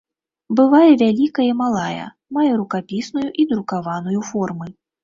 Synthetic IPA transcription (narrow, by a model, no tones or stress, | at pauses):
bɨvajɛvʲalʲikɐjimalˠajɐ̰ | majɛɾukapʲisnujuʔid̪ɾukavanujufɔrmɨ